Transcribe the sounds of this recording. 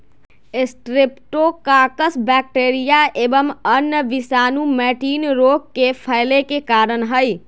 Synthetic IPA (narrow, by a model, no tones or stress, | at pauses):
esʈɾepʈokakəsbɛk̚ʈeɾijaʔebəmənjəʋisanumɛʈinɾokkːepʰəɪlekekaɾənɦəj